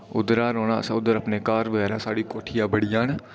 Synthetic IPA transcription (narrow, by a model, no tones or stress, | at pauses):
ʊd̪ɾaːɾoːnãːsãːʊd̪əɾəpneːkaːɾbəɡɛːɾãːsaːɽiːkoːʈʰɪjãːbəɽɪjãːn